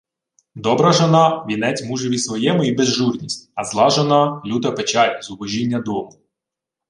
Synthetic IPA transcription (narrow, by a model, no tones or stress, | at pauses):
d̪ɔbɾɐʒɔnɑʋʲinɛt͡sʲmuʒɪʋʲisʋɔjɛmʊibezʒurnʲisʲtʲɐzlˠɑʒɔnɑlʲut̪ɐpet͡ʃɑlʲzʊbɔʒʲinʲːɐd̪ɔmʊ